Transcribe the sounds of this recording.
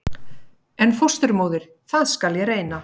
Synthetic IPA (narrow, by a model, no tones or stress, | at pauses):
ɛnfost̪ʏɾmoːwðɪɾ̥ | θaðskaljɛreːjna